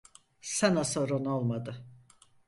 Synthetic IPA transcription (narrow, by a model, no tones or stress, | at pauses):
sanasoɾonolˠmad̪ɯ